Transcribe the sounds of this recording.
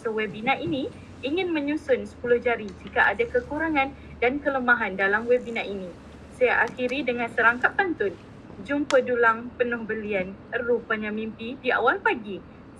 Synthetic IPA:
səwɛbinãʔinĩ | iŋɪ̃nmə̃ɲũsʊnsə̥pulʊhd͡ʒaɾid͡ʒikaʔadakəkuɾaŋãn | dankələmaɦandalamwɛbinaʔinĩ | sajaʔaxiɾidəŋãnsəɾaŋkap̚t̪ant̪ʊn | d͡ʒumpədulaŋpənʊhbəlianərupəɲamĩmpidia̰walpaɡi

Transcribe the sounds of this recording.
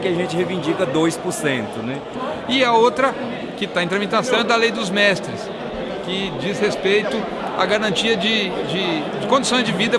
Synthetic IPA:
kɪɐʒẽnt͡ʃɪhevĩnd͡ʒikɐd̪ojspʊɾsẽnt̪ʊnɛ | ɪɐowt̪ɾɐ | kɪt̪aɐẽt̪ɾɐmit̪asɐ̃w̃ɛd̪ɐlejd̪ʊzmɛst̪ɾɪs | kɪd͡ʒizhespejt̪ʊ | ɐ̰ɡaɾɐ̃t͡ʃiɐd͡ʒɪd͡ʒɪd͡ʒɪkõd͡ʒɪsõj̃zd͡ʒɪvid̪ɐ

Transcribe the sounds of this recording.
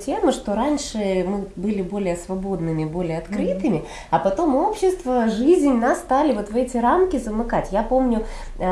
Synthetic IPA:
tʲe̞mɨʂt̪o̞ɾanʲʂɨmɨbɨlʲɪbo̞lʲɪjəsvɐbo̞d̪nɨmʲɪɪbo̞lʲɪjəɐt̪kɾɨt̪ɨmʲɪ | ɐpɐt̪o̞mo̞pɕːɪst̪vəʐɨzʲnʲnasːt̪alʲɪvo̞t̪vɛtʲɪɾamkʲɪzəmɨkatʲjapo̞mnʲʊ

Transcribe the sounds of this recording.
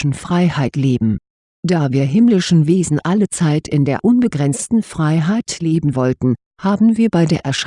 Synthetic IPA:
n̩fʁ̥aɪhaɪtleːbm̩ | d̥aːviːɐɦɪmlɪʃn̩veːzn̩ʔalət͡saɪtʰɪndeːɐʔʊnbəɡʁɛnt͡stn̩fʁ̥aɪɦaɪtleːbm̩vɔltn̩ | haːbm̩viːɐbaɪdeːɐʔɛɐʃ

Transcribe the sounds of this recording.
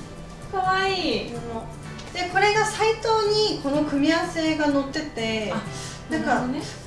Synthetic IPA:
kaβaiːono | d̪̥e̞ko̞ɾe̞ɡasait̪o̞ːɲ̟iko̞no̞kɯ̟mʲiase̞ːɡano̞t̪ːe̞t̪e̞a | d̪aka

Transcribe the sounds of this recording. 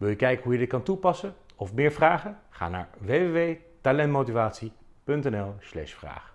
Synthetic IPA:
ʋɪlˠjəkɛjkəɦujədɪt̚kɑntupɑsə | ɔfmɪːɹvraːχəχa̰ːna̰ːɹʋejʋeʋej | talɛntmowtivaːtsi | pɵntɛnɛlˠslɛ̰ʃfra̰ːχ

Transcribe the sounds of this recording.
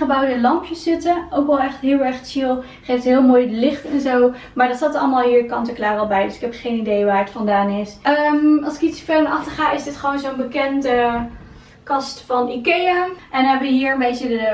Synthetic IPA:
χəbɑwdəlɑmpjəszɪtəowkʋɛlˠɛχtɦɪːlˠɛɹχt͡ʃɪlˠ | χejftɦɪːlˠmoːjdəlɪχtɛnzow | maːɹdɑtsaːtɑlˠəmaːlˠɦiːɹkɑntəklaːrɑlˠbɛjdɵsɪ̥kɛpχejnidejʋaːɹətfɑndaːnɪsəmɑlˠsɪ̥kisəfɪmɑχtəɹχaːɪzdɪtχəʋownzonbəkɛndə | kɑstfɑnikejəʔɛndɔnɦɛbəʋəɦiːɹəmbejsədə

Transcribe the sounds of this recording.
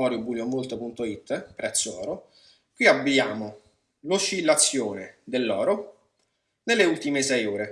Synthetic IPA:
ɔːɾjobuːljomolt̪opunt̪oit̪ːpɾɛt̪sːoɔ̰ːɾo | kwiabːiaːmo | lot͡ʃːilːat̪sːjoːned̪elːɔːɾo | nelːeult̪imesɛjuːɾe

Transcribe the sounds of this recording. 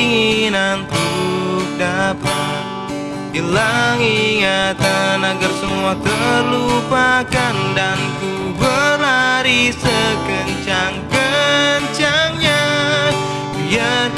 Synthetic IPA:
ŋinant̪uk̚dapa | t̪̚ | dilaŋiŋat̪anaɡarsəmuat̪əlupakandant̪u | bəɾɦaɾisəkənt͡ʃaŋkəɲt͡ʃaŋɲa | ja

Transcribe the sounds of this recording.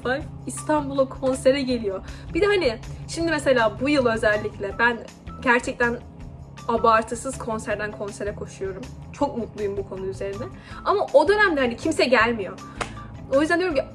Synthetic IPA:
ak | ist̪ʰanbulˠokʰo̞nse̞ɾɛɟe̞lʲijob̥id̪ɛhanɪʃimd̪imese̞lʲaːbujɯlˠø̞zælʲːiclʲɛbæn | ɟæɾt͡ʃʰɛc̚t̪ʰæn | abaɾt̪ʰɯsɯz̥kʰo̞nsæɾd̪ænkʰo̞nse̞ɾɛkʰo̞ʃujo̞ɾum | t͡ʃʰo̞k̚mut̪lˠujumbukʰo̞nuyze̞ɾind̪ɛ | amaʔo̞d̪ø̞næmd̪ɛɦanicʰimsɛɟælʲmijo̞ | o̞jyzd̪ænd̪joɾmci

